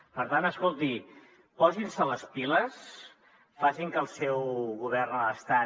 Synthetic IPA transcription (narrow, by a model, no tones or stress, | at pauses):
pəɾt̪ant̪əskolˠt̪i | pɔzinsələspiləs | fasiŋkəlˠsɛwɣuβɛrnəst̪a